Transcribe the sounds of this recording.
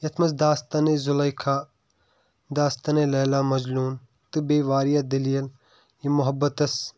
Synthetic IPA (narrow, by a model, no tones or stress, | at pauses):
jɐt̪ʰmɐsd̪aːst̪anezʊlɐjkʰaː | d̪aːst̪ɐnelɐːlaːmɐd͡ʒluːn | t̪ɨbeːʋaːɾijad̪ɐliːɐl | jimʊɦɐbːɐt̪ɐs